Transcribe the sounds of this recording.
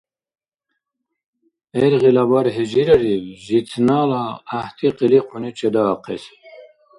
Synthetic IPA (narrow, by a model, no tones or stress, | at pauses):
eɾʁilɑbɑɾɦid͡ʑiɾɐɾiwʑit͡s̪ʰnɑːlɑːht̪ʰiqiliqʰunit͡ɕed̪ɑːqḛs